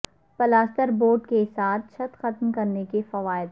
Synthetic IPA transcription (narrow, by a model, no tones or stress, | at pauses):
pɐlaːsʈ̪əɾboːɾʈkesaːt̪̚ʰt͡ʃʰɐt̪xɐt̪mkɐɾnekefɐʋaːɪd̪